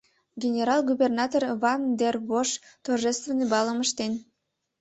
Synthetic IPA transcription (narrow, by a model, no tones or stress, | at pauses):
ɡʲenʲeɾɑlˠɡubernɑt̪orvɑnd̪erβoʃt̪orʒest̪venebɑlˠəməʃt̪en